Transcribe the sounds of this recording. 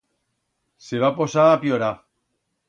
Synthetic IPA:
seβaposaːpjoɾa

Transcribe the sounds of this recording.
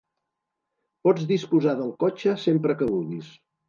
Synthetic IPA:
pɔd͡zðispuzaðəlˠkot͡ʃəsempɾəkəβuɣis

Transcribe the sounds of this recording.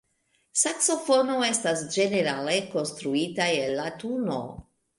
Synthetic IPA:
sakso̞fo̞no̞e̞stasd͡ʒe̞ne̞ɾale̞ko̞nstɾuitaelːatuno̞̰

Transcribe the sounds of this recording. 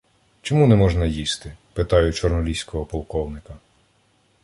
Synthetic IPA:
t͡ʃɔmunɛmɔʒnɐjist̪ɪpɪt̪ɑjʊt͡ʃɔrnɔlʲisʲkɔɦɔpɔlˠkɔwnɪkɐ

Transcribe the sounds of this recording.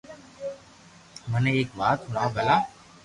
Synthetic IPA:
mənẽːeːkʋaːt̪ɦʊnaːbəlaː

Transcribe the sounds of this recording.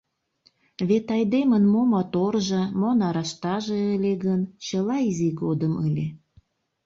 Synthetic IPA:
βet̪ɑjd̪emənmomɑt̪orʒɤmonɑɾɑʃt̪ɑʒeəlʲeɣənt͡ɕəlɑiziɡod̪əməlʲe

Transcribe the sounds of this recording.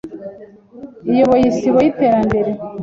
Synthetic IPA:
ijoβojisiβojite̞ːɾambe̞ɾe

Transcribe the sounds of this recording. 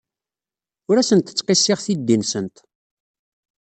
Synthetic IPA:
ʊɾæsənt̪ə̥t͡sːqɪsːɪʁθid̪ːinsənt̪

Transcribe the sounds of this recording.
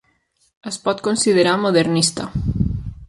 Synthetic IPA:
ɐspɔt̪konsið̞eɾamoðeɾnist̪a

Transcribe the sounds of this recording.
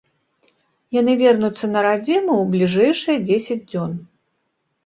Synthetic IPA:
janɨvʲɛrnut̪sːɐnɐɾad͡zʲimuwblʲiʐɛjʂɨjɐd͡zʲesʲɐd͡zʲd͡zʲɔn

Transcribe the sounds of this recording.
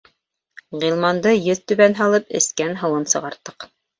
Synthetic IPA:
ʁilˠmɑnd̪ɤjɵðt̪ʉ̆βænɦɑlˠɤpɘ̰̆skænɦɤ̆wɤnsɤ̆ʁɑɾt̪ːɤ̥q

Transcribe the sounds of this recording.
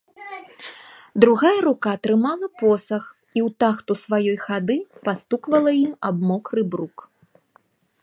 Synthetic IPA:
d̪ɾuɣajɐɾukat̪ɾɨmalˠɐpɔsɐx | iwt̪axt̪usvajɔjxad̪ɨpast̪ukvɐlˠɐimabmɔkrɨbɾuk

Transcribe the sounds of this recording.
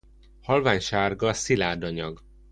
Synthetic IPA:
hɒlvaːɲʃaːrɡɒsilaːd̪ɒɲɒɡ

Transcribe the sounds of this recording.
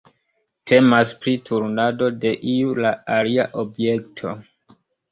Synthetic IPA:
tʰe̞maspɾitʰuɾnado̞de̞ʔiulaaliaʔobje̞ktʰo̞

